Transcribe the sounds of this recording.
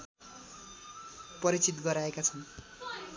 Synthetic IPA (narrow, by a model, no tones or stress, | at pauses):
pʌɾit͡sit̪ɡʌɾaekat͡sʰʌw